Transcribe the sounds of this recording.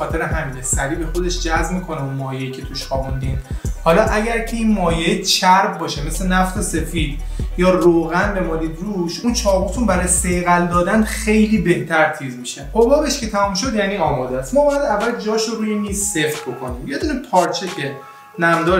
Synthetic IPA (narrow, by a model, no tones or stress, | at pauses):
ɒːt̪e̞ɾeɦæmiːnesæɾiːbe̞xo̞d̪e̞ʃd͡ʒæzmiːkʰo̞neunmɒːjeicʲʰe̞t̪ʰuʃxɒbund̪inhɒːlɒːʔæɟæɾcʰeiːnmɒːjeet͡ʃʰæɾbbɒːʃeme̞slenæft̪ʰose̞fiːd̪ | jɒːroːɣænbe̞mɒːliːd̪ɾuʃunt͡ʃʰɒːʁut̪ʰunbæɾɒːjeseɣæld̪ɒːd̪ænxe̞jliːbe̞ht̪ʰæɾt̪ʰiːzmiʃeqobɒːbeʃkʰet̪ʰæmumʃo̞d̪jæːniːɒːmɒːd̪æst̪mɒːbɒːjæd̪ævːæld̪d͡ʒɒːʃoɾuːjenisːeft̪bo̞kʰo̞nimjed̪uːnepʰɒːɾt͡ʃʰece̞ | næmd̪ɒːɾ